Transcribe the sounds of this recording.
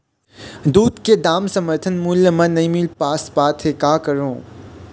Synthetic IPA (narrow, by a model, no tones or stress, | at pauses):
d̪uːd̪ked̪aːmsɐməɾt̪ʰənmuːljəmɐ̃nɐĩmɪlpaːsbaːt̪ʰɦekaːkəɾõː